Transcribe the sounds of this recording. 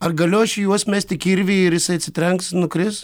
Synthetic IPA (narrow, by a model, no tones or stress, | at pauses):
ɐrɡɐlʲʊɐʃʲɪjuɔsmʲæsʲt̪ʲɪkʲiɾʲʋʲeːɪɾjɪsɐɪɐt̪sʲɪt̪ʲɾʲɛŋksnʊkɾʲɪs